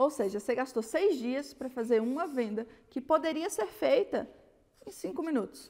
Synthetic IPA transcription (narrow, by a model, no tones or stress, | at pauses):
owseʒɐseɡast̪osejzd͡ʒiɐspɾɐfazeɾũmɐvẽnd̪ɐkɪpod̪eɾiɐseɾfejt̪ɐ | ẽj̃sĩŋkʊmĩnut̪ʊ̥s